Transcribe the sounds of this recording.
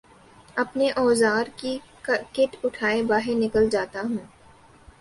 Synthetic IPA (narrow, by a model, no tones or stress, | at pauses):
ɐpneʔɔːzaːɾki | kɪʈʊʈʰaːebaːɦɪɾnɪkəld͡ʒaːt̪aɦũː